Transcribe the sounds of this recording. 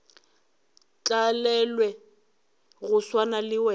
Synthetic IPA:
t͡ɬʼalɛlwɛ | ɣʊswanalɪwɛ

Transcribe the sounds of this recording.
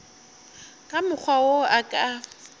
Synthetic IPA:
kʼamʊk͡xʰwawoakʼa

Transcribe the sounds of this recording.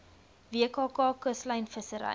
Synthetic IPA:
viəkɑːkɑːkəslɐjnfəsəɾɐ̰j

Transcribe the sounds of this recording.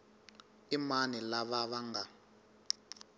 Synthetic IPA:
imanilaβaβaŋɡa

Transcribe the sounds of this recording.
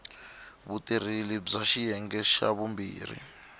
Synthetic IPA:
βutʼiɾilib͡ʐaʃijɛŋɡɛʃa̰βumbḭːr̤ḭ

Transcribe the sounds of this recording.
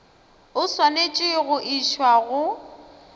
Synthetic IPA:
ʊswanet͡ʃʼɪɣʊʔiʃwaɣʊ

